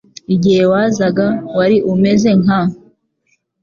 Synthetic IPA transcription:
iɟihe̞waːzaɡawaɾiʔume̞ze̞ŋa

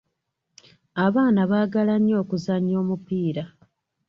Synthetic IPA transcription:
aβaːnaβaːɡalaɲːo̞ːkuzaɲːoːmupiːɾa

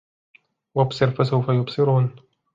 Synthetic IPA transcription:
wabsˤɨɾfasawfajʊbsˤɨɾuːn

